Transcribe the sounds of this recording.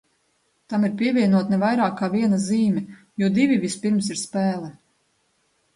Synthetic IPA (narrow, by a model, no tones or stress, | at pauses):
t̪amiɾpiɛvʲiɛnuɔt̪nɛvajɾaːkːaːviɛnaziːmʲɛ | juɔd̪ivʲivʲispiɾmsiɾspæːlˠɛ